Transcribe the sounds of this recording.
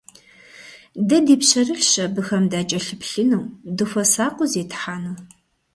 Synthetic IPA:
dɐdiːpɕɐrɨɬɕɐbɨxɐmdaːt͡ʃʼɐɬɨpɬɨnɨwdɨfɐsaːqʷʼʊzeːtʰħaːnuː

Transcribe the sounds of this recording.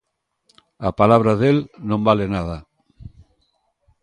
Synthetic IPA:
apalaβɾaðelnõmbalenaða

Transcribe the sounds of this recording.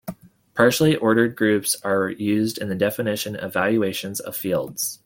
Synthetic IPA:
pʰɑɹʃl̩ˠiʔɔɹɾə˞d̚ɡɹʉpsə˞jʉzdɨ̃nðɨdɛfɨnɪʃɨ̃nʌ̰vælˠjʉeɪʃɨ̃nzʌ̰v̥filˠdz̥

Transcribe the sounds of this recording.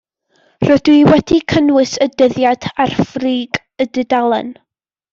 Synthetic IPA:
rɔdwiwɛdikʰənwɨsədəðjad̥arfriːɡ | ədɨdalˠə̰n

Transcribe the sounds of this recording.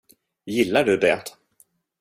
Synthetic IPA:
jɪlːaɖɵd̪ɛt̪

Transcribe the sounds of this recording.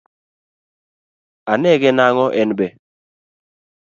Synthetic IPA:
anɛɡɛnaŋɔʔɛnbɛ

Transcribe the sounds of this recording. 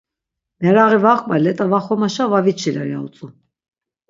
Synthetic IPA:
mɛɾaʁivaχbalɛt̪ʼavaχɔmaʃavavit͡ʃʰilaɾja̰ṵt͡sʼu

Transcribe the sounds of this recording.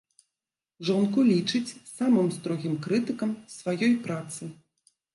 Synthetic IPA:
ʐɔnkulʲit͡ʂɨt͡sʲsamɨmst̪ɾɔɣʲimkɾɨt̪ɨkɐmsvajɔjpɾat̪sɨ

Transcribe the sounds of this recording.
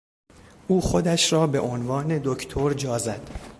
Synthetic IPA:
ʔuːxod̪æʃɾɒːbe̞̰ʔonvɒːne̞d̪ocʰt̪ʰoɾd͡ʒɒːzæd̪̥

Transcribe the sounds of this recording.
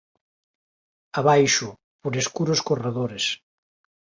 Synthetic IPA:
aβajʃu | poɾeskuɾoskoreðoɾes

